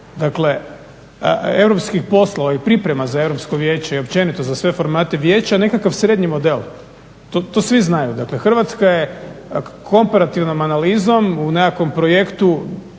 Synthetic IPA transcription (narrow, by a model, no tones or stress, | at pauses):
d̪akle̞ | e̞ʋɾo̞pskixpo̞sloʋaipɾipɾe̞mazae̞vɾo̞pskoʋje̞ːt͡ɕeio̞pt͡ʃe̞nit̪o̞zasʋe̞fo̞ɾmaːt̪e̞ʋje̞ːt͡ɕane̞kakaʋsɾed̪ɲimo̞d̪e̞l | t̪ot̪osʋiznajud̪akle̞xr̩ʋat̪skaje̞ | kʰo̞mpaɾat̪iʋnomanalizo̞munekakʋo̞mpɾojekt̪u